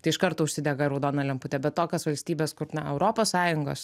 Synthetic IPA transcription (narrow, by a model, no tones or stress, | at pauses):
t̪ɐɪʃkɐɾt̪oːʊʃʲsʲɪd̪ʲɛɡɐɾɐʊd̪oːnɐlʲɛmpʊt̪ʲɛbʲɛt̪t̪oːkʲoːsʋɐlʲsʲt̪ʲiːbʲeːskʊrnɐɛʊɾoːpoːssɑːjʊŋɡo̰ːs